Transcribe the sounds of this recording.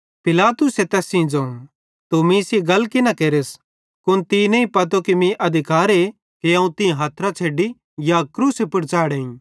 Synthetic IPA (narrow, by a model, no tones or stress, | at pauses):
pɪlaːt̪ʊset̪ɛːsĩd͡ʒɐ̃ːũ | t̪umĩseɡɐlkɪnãkeːɾeːs | kʊnt̪inɐ̃ĩpɐt̪̬okimĩʔɐd̪ʱɪkaːɾe | kiãːũt̪ɪ̃ãɦaːt̪ʰɾat͡ʃʰeːɖi | jakɾuːsepʊɽt͡ʃaːɽeːĩ